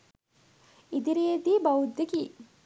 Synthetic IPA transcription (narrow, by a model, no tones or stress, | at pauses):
id̪iɾeed̪iːbawud̪ːeki